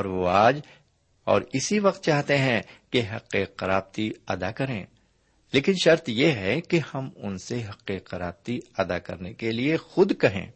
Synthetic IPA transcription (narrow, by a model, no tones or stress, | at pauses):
ɔːɾʋoaːd͡ʒ | ɔ̰ːɾɪsiʋɐq̚t̪̚t͡ʃaːɦt̪eɦɛ̃keɦɐ̰qːeqɐɾaːb̚t̪iɐd̪akɐɾẽː | leːkɪnʃɐɾt̪jeɦɛkehɐmʊ̰nseɦɐqːeqɐɾa̰ːb̚t̪iɐd̪akɐ̰ɾnekeliexʊd̪kɐɦḛ̃ː